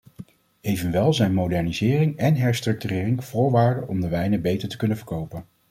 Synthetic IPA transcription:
ejvənʋɛlˠzɛjnmodɛɹnizɪːrɪŋɛnɦɛɹstrɵk̚tyrɪːrɪŋv̥ʊːɹʋaːɹdəʔɔmdəʋɛjnəbejtəɹtə̥kɵnənvəɹkowpən

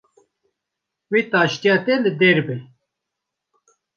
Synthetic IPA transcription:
wit̪aːɕt̪jat̪eləd̪eːɾbe

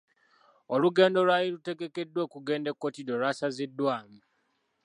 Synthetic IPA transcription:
o̞luɡe̞ːndo̞lwajilute̞ɡe̞ke̞dːwe̞ːkuɡe̞ːnde̞kːo̞tidolwasazidːwaːmi

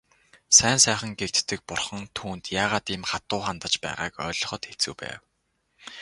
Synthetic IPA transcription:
sæːnsæːχə̆ŋɡekt̪ːɘ̆k̚pʊrχə̆ŋt̪ʰuːnt̪jaːʁaːt̪imχat̪ʊːχant̪ə̆t͡ɕpæ̰ːʁa̰ːkœ̰ːɮɞ̆χɞ̆t̪xet͡sŭwpæ̰ːw

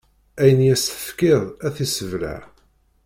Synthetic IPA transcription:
æjənjæst̪ə̥fkɪðˤæθisəvla̰ʕ

